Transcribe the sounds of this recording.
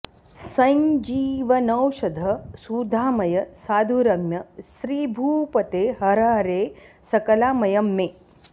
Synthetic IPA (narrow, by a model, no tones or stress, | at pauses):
sɐɲd͡ʒiːʋɐnɐwʃɐd̪ʱɐsud̪ʱaːmɐjɐsaːd̪ʱuɾɐɡnɐʃɾiːbʱuːpɐt̪eːɦɐɾɐɐɾeː | sɐkɐlaːmɐjɐmːeː